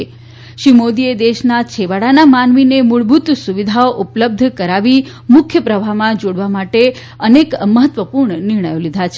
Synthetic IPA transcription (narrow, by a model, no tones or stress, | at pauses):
e | ʃimod̪ied̪eʃnat͡ʃʰeʋaɽanamanʋinemuɭbʱut̪suʋid̪ʱaoʔupləb̚d̪ʱkəɾaʋi | mʊkʰjəpɾəbʱamãd͡ʒoɽʋamaʈe | ənekməɦət̪ʋəpuɾɳənɪɾɳ̃əjolid̪ʱat͡ʃʰe